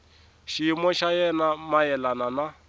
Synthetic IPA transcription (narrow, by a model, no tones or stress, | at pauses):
ʃimɔʃajɛnamajɛlanana